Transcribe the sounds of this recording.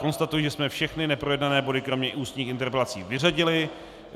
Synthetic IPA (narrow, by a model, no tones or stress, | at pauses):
ko̞nst̪at̪ujʒɛsmɛfʃɛxnɪnɛpɾo̞jɛdnanɛːbo̞dɪkɾo̞mɲɛʔuːst̪ɲiːxɪnt̪ɛɾpɛlat͡sḭːvɪraɟɪlɪ